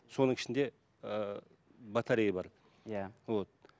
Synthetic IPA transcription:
so̞nəɴɪ̥ʃɪnd̪e̞ | ə | bɑt̪ʰɑɾijbɑɾ | jaot̪

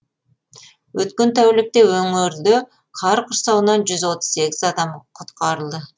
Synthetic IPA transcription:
wɵt̪kʲe̞nt̪ʰæwlɪk̚t̪e̞wɵŋɪɾd̪ɪ | qʰɑɾqʰʊɾsɑwnɑnʒʏzwo̞t̪ə̥z̥se̞kʲɪzɑd̪ɑmqʰʊt̪qɑɾəlˠd̪ə

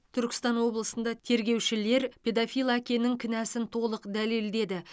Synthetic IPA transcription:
t̪ʰʏɾkʲɪ̥st̪ɑnwo̞blˠəsənd̪ɑt̪ʰe̞ɾɡʲe̞wʃɪle̞ɾpʲʰe̞d̪afʲijlˠakʲe̞nɪŋkʲʰɪnæsɪnt̪ʰo̞lˠəqd̪æle̞ld̪e̞d̪ɪ

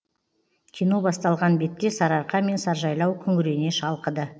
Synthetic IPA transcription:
kʲʰinubɑst̪ɑlˠʁɑnbe̞t̪ːe̞sɑɾɑɾqɑme̞nsɑɾʒɑjlˠɑwkʲʰʏŋʏɾe̞ne̞ʃɑlˠqəd̪ə

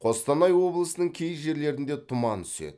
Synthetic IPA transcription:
qʰo̞st̪ɑnɑjwo̞blˠəsənəɴkʲʰe̞jʒe̞ɾle̞ɾɪnd̪e̞t̪ʰʊmɑnt̪ʰʏ̥sḛd̪ɪ

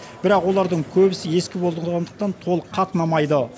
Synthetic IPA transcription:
bɪɾɑqwo̞lˠɑɾd̪əɴkʲʰɵbɪsɪe̞skʲɪbo̞lˠʁɑnd̪əq̚t̪ɑnt̪ʰo̞lˠəqʰɑt̪ənɑmɑjd̪ə

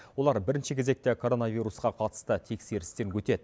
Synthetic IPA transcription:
wo̞lˠɑɾbɪɾɪnʃɪkʲʰeze̞k̚t̪ekʰo̞ɾo̞navijɾusqɑqʰɑt̪ə̥st̪ət̪ʰe̞kse̞ɾɪst̪e̞nkʰʲɵt̪e̞d̪ɪ

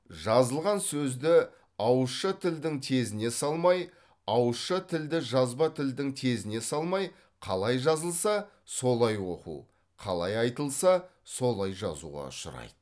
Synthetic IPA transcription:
ʒɑzəlˠʁɑnsɵzd̪ɪ | ɑwəʃət̪ʰɪld̪ɪŋt̪ʰe̞zɪne̞sɑlˠmɑj | ɑwʃət̪ʰɪld̪ɪʒɑzbɑt̪ʰɪld̪ɪŋt̪ʰe̞zɪne̞sɑlˠmɑj | qʰɑlˠɑjʒɑzəlˠsɑ | so̞lˠɑjwo̞̰qṵ | qʰɑlˠɑjɑjt̪əlˠsɑso̞lˠɑjʒɑ̰zṵʁɑ̰ʊʃʊ̰ɾɑ̰jd̪̥ə

